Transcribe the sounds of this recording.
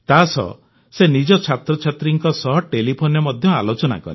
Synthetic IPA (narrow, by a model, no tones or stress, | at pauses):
t̪asɔ̰ | senid͡ʒɔt͡ʃʰat̪ɾɔt͡ʃʰat̪ɾiŋkɔsɔɦʈelipʰonjɔmɔd̪ʱjɔa̰lot͡ʃɔna̰kɔ̰ɾe